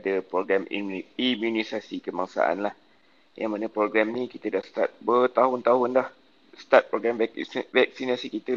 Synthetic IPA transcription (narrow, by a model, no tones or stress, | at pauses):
dəpɾoɡɾamimjunisasikəmaŋsa̰ʔa̰nlah | ja̰ŋmanəpɾoɡɾɛmnĩkit̪ədahst̪a̰t̪̚bət̪aɦʊnt̪aɦʊndah | st̪at̪̚pɾoɡɾamvvɛk̚sinasikit̪ə